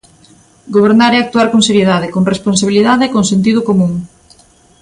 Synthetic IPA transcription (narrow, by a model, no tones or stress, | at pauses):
ɡoβ̞eɾnaɾeak̚t̪uaɾkoŋseɾjeðaðekoŋresponsaβiliðaðekoŋsent̪iðʊkomũŋ